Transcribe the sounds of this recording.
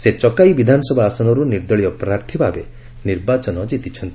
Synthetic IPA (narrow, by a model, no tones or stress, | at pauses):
set͡ʃɔkajbid̪ʱanɔsɔbʱaːsɔnɔɾuniɾd̪ɔɭijɔpɾaɾt̪ʰibʱabe | niɾbat͡ʃɔnɔd͡ʒit̪it͡ʃʰɔnt̪i